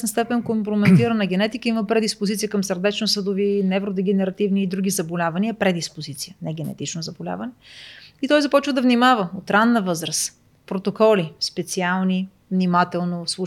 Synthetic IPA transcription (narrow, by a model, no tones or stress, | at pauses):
snəst̪ɛpɛnkompɾomɛt̪iɾənɐɡɛnɛt̪ikəiməpɾɛd̪ispozit̪sijəkəmsəɾd̪ɛt͡ʃnosəd̪ʊvinɛvɾod̪ɛɡɛnɛɾɐt̪ivniːd̪ɾuɡ̟ʲizɐbolʲavɐniəpɾɛd̪ispozit̪sijənɛɡɛnɛ̰t̪it͡ʃnozɐbolʲa̰vɐnɛit̪ɔjzɐpɔt͡ʃvəd̪ɐvnimavəot̪ɾanːəvɤzɾəs | pɾot̪okɔlispɛt̪sialˠni | vnimat̪ɛlˠnoslˠu